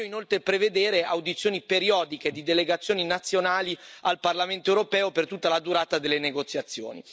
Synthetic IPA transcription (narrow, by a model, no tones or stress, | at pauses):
oinolt̪ɾepɾeved̪eːɾeawd̪it̪sjoːnipeɾiɔːd̪iked̪id̪eleɡat̪sːjoːninat̪sːjonaːlialparlament̪oewɾopɛːopert̪ut̪ːalad̪uɾaːt̪ad̪elːeneɡot̪sːjat̪sːjo̰ːnḭ